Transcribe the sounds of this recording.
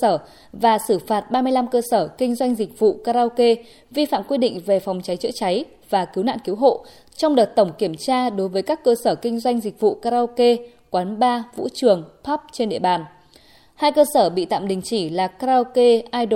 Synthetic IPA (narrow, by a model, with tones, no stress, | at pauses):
əː˧˩ | vaː˨˩sɨ˧˩faː˨˩t̚ɓaː˧mɨ˧əjla˧mkəː˧səː˧˩kï˧ŋ̟zwa˧jŋ̟zï˨˩k̟̚vṵ˧˨kaː˧ɾaː˧wke˧ | vi˧fa̰ː˧˨mkwi˧ɗḭ̈˧˨ŋ̟ve˨˩fɔ˨˩wŋ͡mt͡ɕa˨˦jt͡ɕɨ̰˧˥t͡ɕa˨˦j | vaː˨˩ki˨˦wna̰ː˧˨nki˨˦wɦo̰˧˨ | t͡ɕɔ˧wŋ͡mɗəː˨˩t̚t̪ə˧˩wŋ͡mki˧˩əmt͡ɕaː˧ɗo˨˦jvəː˨˦jkaː˦˥kːəː˧səː˧˩kï˧ŋ̟zwa˧jŋ̟zi˨˩k̟̚vṵ˧˨kaː˧ɾa˧wke˧ | kwaː˨˦nɓaː˧vṵ˧˥t͡ɕɨ˨˩əŋpʰɔ˦˥p̚t͡ɕe˧nɗḭ˧əɓaː˨˩n | haː˧jkəː˧səː˧˩ɓḭ˧˨t̪a̰ː˧˨mɗï˨˩ŋ̟t͡ɕi˧˩laː˨˩kaː˧aː˧ke˧ʔaː˧jɗo˨